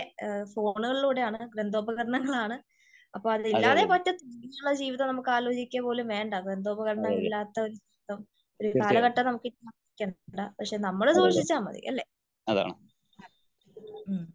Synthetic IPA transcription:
fo̞ːɳuɣɐɭiluːɽe̞aːɳɨɡɾend̪o̞ːbɐɣɐɾɐɳɐŋːɐɭaːɳɨ | ɐpːoːɭɐðilːaːðe̞ːpɐtːɐt̪ːuiɐuɭːɐd͡ʑiːʋiðɐmnɐmukːɨaːloːt͡ɕikʲːapo̞ːlumʋe̞ːɳɖɐɡɾend̪o̞ːbɐɣɐɾɐɳɐŋːɐɭilːaːt̪ːɐo̞ɾud͡ʑiːʋiðɐm | o̞ɾukaːlɐɣɐʈːɐnɐmukːinɐikʲːɐːɳɳɖɐpɐkʂe̞ːnɐmːɐɭesuːʂit͡ɕːaːmɐ̰ðḭɐ̰lːe̞̰ | ɐða̰ːɳɨ

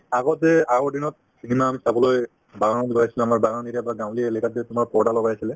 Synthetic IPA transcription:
aɡɔtɛaɡɔɹdinɔt̚ | sinimaːmisabɔloj | baɡandibajsilɛamaɹbaɡaniɾabaɡãw̃lielɛkat̚ɛtʊmaɹpɔɹdalɔɡajasilɛ

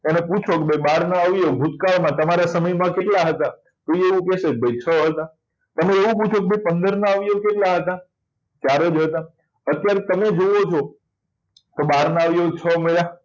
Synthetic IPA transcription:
eneput͡ʃʰokebʱəjbaɾnaaʋjoɡʱut̪kaɭmãt̪əmaɾasəməjmãkeʈlaɦət̪a | t̪oieʋũkɛsek̚bʱəjt͡ʃʰəɦət̪a | t̪əmeeʋũput͡ʃʰokebʱəjpənd̪əɾnaaʋjokeʈlaɦət̪a | t͡ʃjaɾəd͡ʒɦət̪a | ət̪jaɾet̪əmed͡ʒoʋot͡ʃʰo | t̪obaɾnaaʋjot͡ʃʰəmeɾa

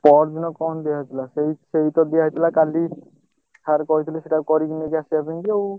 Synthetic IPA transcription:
pɔɾd͡ʒinɔkɔnd̪iaijt̪ʰilaseiseɦit̪ɔd̪iait̪ʰilakali | aɾkɔɦit̪ʰiliseʈakɔɾikinekiasiabinkiow

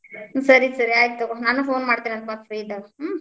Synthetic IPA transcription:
sɐɾisɐɾiaːjt̪unaːnufoːnmaːɖt̪iɾiɐd̪baːd̪pɾiːd̪ɐ

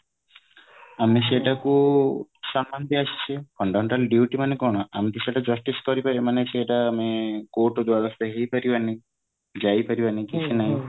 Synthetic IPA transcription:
ames̬eʈaku | samband̪iasi̥t͡ʃʰifɔɳɖɔmeɳʈalɖjuʈimanekɔɽ̃ɔʔamt̪iseʈad͡ʒɔsʈiskɔɾipaɾemaneseʈaːmekoʈd̪waɾast̪eɦejpaɾibani | d͡ʒajpaɾibanikit͡ʃʰinaɦĩ

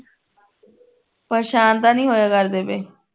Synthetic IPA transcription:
pəːʃaːnd̪aːnĩːɦoːjaːkəɾd̪eːbeː

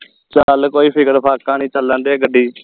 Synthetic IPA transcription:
t͡ʃəlkoːiːpʰɪkəɾpʰaːkãːnĩːt͡ʃələnd̪eːɡəɖːiː

